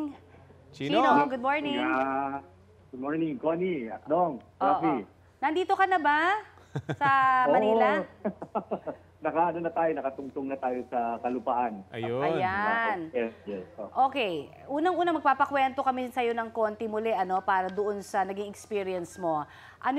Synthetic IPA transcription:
t͡ʃiinoɡʊd̪moɹnɪŋ | ɡʊd̪̚moɹnɪŋkoːniɐd̪oŋai | nɐnd̪iːt̪o̞kɐnɐba | sɐmɐniːlɐ | nɐkaʔɐnonɐt̪aːjonɐkɐt̪ʊŋt̪oŋnɐt̪aːjosɐkɐlʊpaʔanɐjʔɐjanɛjɛsoʔo̞ːkɛj | ʔuːnɐŋʔuːnɐmɐɡ̚paːpɐkwɛnt̪o̞kɐmɛsɐjo̞nɐŋko̞nt̪ɪmʊlɛʔɐno̞paːɾɐd̪oʔonsɐnɐɡiŋɛkspiːɾiɐnsmo̞ | ʔɐno

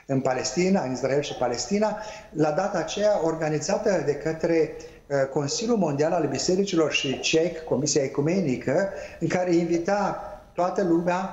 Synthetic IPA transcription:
ɨnpale̞st̪inaɨnisrae̞lʃipale̞st̪inalad̪at̪aːt͡ʃe̞jao̞rɡanizat̪əd̪e̞kət̪ɾe̞ | ko̞nsiljulmo̞nd̪ialalbise̞ɾit͡ʃilo̞rʃit͡ʃe̞kːo̞misiaekume̞nikʰəɨŋkaɾeiɱvit̪at̪oat̪əlumea

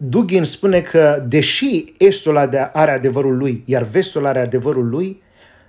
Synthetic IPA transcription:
d̪uɡʲinspune̞kʰəd̪e̞ʃie̞st̪ulad̪ʔaɾead̪e̞vəɾulːujjarve̞st̪ulaɾe̞ad̪e̞vəɾulːuj

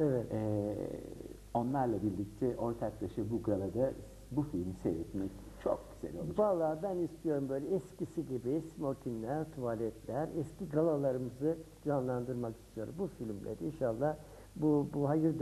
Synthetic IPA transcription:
ɛvɛt̪ɛ | o̞nlˠaɾlˠabiɾlʲic̚t̪ʰɛʔo̞ɾt̪ʰaklˠaʃɯbuɡalˠad̪a | bufilʲmisḛvɛt̪mɛc | t͡ʃʰo̰kːselijo̰baːlˠːaːbænist̪ʰijo̞ɾumbøjlʲɛɛscisiɟibismot̪ʰinlʲæɾt̪ʰuvalʲɛt̪ʰlʲæɾɛsciɡalˠalˠaɾɯmɯzɯd͡ʒanlˠand̪ɯɾmaki̥st̪ʰijo̞ɾumbufilʲmlʲɛ̰d̪ɛinʃalˠːah | bubuɦajɯɾd̪

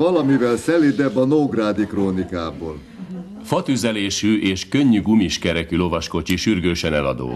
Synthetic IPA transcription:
ɒlɒmivɛlsɛlid̪ɛbɒnoːɡraːd̪ikroːnikaːboːl | fɒt̪yzɛleːʃyʔeːʃkø̞ɲːyɡumiʃkɛɾɛkylo̞vɒʃko̞t͡ʃiʃyrɡøːʃɛnɛlɒ̰d̪o̰ː

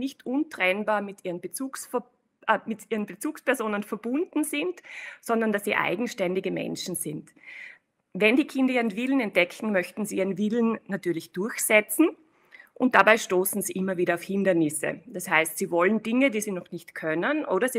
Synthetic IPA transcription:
nɪçtʔʊntʁ̥ɛnbaːɐmɪtʔiːʁənbət͡suːksf | ʔəmɪtiːʁənbət͡suːkspɛɐzoːnənfɛɐbʊndn̩zɪntsɔndɐndasːiːʔa̰ɪɡŋ̩ʃtɛndɪɡəmɛ̰nʃn̩zɪnt | vɛndiːkʰɪndɐiːʁənvɪlən̩ɛnt̚d̥ɛkʰn̩mœçtn̩ziːʔiːʁənvɪln̩natyːɐlɪçd̥ʊɐçsɛt͡sn̩ | ʔʊnt̚d̥abaɪʃtoːsn̩ziːʔɪmɐviːɾɐaʊfhɪndɐnɪsə̰d̥ashaɪstsiːvɔləndɪŋədiːziːnɔχnɪçtkʰœnənʔoːɾɐzi

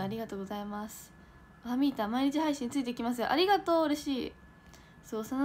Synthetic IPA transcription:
aɾʲiɡat̪o̞ːɡo̞zaimasɨ̥ | oamʲit̪amaiɾʲit͡ɕiɦaiɕĩɲ̟it͡sɨit̪e̞ikʲimasɨjoʔaɾʲiɡat̪o̞ːɯɾe̞ɕiː | so̞ːsono

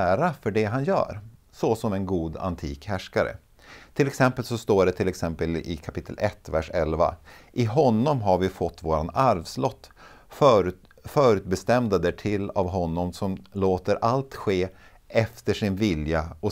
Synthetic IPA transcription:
ɾafœɖɛɦanjœ̰ːɾ | sɔsɔmɛnɡuːd̪a̰nt̪ʰiːkhæʂkaɾə̰ | t̪ʰɪlɛksɛmpəlsɔst̪oːɖɛt̪ʰɪlɛksɛmpəlɪkʰapɪt̪ʰːə̰lʔɛt̪ːvæʂɛlva̰ʔɪɦɔnːɔmɦaɾvɪfɔt̪ːvoːɾanaɾvslɔt̪ː | fœːɾʉ̟ːt̪̚bɛst̪ɛmd̪ad̪æʈʰɪlːavɦɔnːɔmsɔmloːt̪əɾʔalt̪ɧeː | ɛft̪əʂɪnvɪljaɔ

